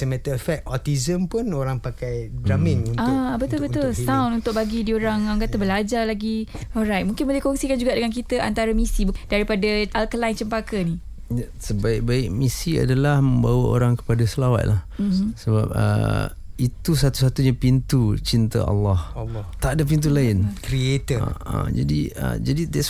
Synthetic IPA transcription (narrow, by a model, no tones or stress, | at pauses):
səmãt̪əfɛk̚ɔt̪izəmpʊnoɾaŋpakajdɾamɪ̃ŋuabət̪ʊlbət̪ʊlsãwnunt̪ʊk̚baɡidioɾaŋaŋkat̪abəlad͡ʒalaɡiɔlɾajt̪̚mũŋkɪnbolɛhkɔŋsikand͡ʒuɡaʔdəŋank̬it̪əʔant̪aɾəmisibd̥aɾipadaalkəlajnt͡ʃəmpakəni | jasəbaɪk̚baɪk̚misia̰dalahməmbawəo̰ɾaŋkə̥padasəlawa̰t̪̚lahmsəba̰p̚ə̰ | it̪usat̪usat̪uɲapint̪ut͡ʃint̪ə̰ɑ̰lːɑht̪aʔdap̬int̪̬ulaɪnkɾiet̪ḭa̰d͡ʒa̰diə̰d͡ʒadidɛs